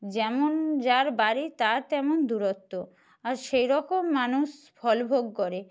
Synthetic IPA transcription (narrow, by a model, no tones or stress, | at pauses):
d͡ʑɛmond͡ʑaɾbaɾit̪aɾt̪ɛmond̪uɾot̪ːo | aɾʃejɾɔkomːanuʃ | fʰɔlbʱoɡkoɾe